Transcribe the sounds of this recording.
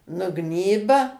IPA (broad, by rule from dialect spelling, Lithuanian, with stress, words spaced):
nʊˈɡnʲiːbɐ